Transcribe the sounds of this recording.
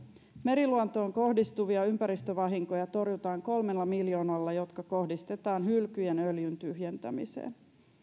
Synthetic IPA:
me̞ɾiluont̪o̞ːŋko̞hdist̪uʋiɑympæɾist̪øʋɑɦiŋko̞jɑt̪o̞rjut̪ɑːŋko̞lmelːɑmiljo̞ːnɑlːɑjo̞t̪kɑko̞hdist̪e̞t̪ɑːnɦylkyjenøljynt̪yhjent̪æmḭsḛːn

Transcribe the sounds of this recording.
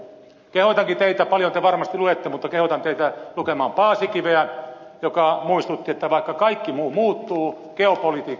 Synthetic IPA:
kehot̪ɑŋkit̪eit̪æpɑljont̪eʋɑrmɑst̪iluet̪ːemut̪ːɑkehot̪ɑnt̪eit̪ælukemɑːmpɑːsikiʋeæ | jokɑmuist̪ut̪ːiet̪ːæʋɑikːɑkɑikːimuːmuːt̪ːuː | keopolit̪iːkː

